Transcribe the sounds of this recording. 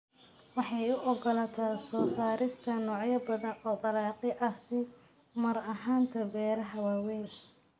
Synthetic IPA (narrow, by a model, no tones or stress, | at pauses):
wɑħɑjʊʔɔɡɔlɐt̪ʰɐsɔːsaːɾɪst̪ʰɐnɔːʕjɐbɐðɐnɔːdɐlɑːqɪʔɐsɪ | mɐɾɐɦaːnt̪ʰɐbɛːɾɐɦɐwaːwɛːʃ